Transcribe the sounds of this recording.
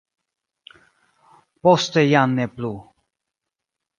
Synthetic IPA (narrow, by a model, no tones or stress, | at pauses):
pɔst̪ɛjanːɛplu